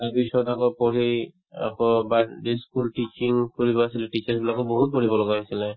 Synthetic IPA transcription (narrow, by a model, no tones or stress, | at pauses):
taɹpisɔtakɔpɔɹij | a̰kɔbadiskultit͡ʃiŋkɔɹibɔasilɛtit͡ʃasbilakɔbɔɦut̚pɔɹibɔlɔɡaɦojsilɛ